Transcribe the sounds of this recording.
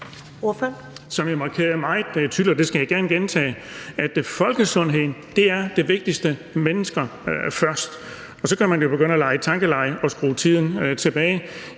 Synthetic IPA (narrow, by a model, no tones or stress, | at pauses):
oføɐ | sɒ̽mjmɑ̈kʰe̝̰ːɐmɑ̈ɪð̩ˠt͡sʰyd̥lɐd̥e̝sɡ̥æjɑ̈ɪɡ̥æɐnɡ̥ent͡sʰɛ̰ːæd̥efɒ̽lɡ̥əsɔ̽n̰ɦe̝ðˠn̩d̥e̝æɐd̥e̝ʋe̝ɡ̥̚d̥isd̥əmenəsɡ̥ɐfɶɐsd̥ | ɒ̽sɒ̽kʰæmænjo̝b̥e̝ɡ̥øn̰əælɑ̈ɪt͡sʰɑ̈ŋɡ̥əlɑ̈ɪəʔɒ̽sɡ̥ʁuːt͡sʰið̞̰ˠn̩t͡sʰe̝b̥ɛːɪ